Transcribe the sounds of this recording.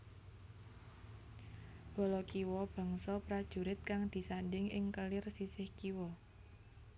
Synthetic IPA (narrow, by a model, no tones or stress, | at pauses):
b̥ɔ̤lɔkiwɔb̥a̤ŋsɔpɾad̥ʒ̥ṳɾɪt̪̚kaŋd̪̥i̤sanɖɪŋɪŋkəlɪrsisɪhkiwɔ